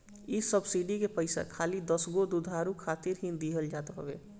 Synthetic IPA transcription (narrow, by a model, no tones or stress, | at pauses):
isəbsiɖikepəɪsa̰kʰalid̪əsɡod̪ud̪ʱaɾukʰat̪iɾɦĩnd̪iɦəld͡ʒat̪ɦə̰bḛ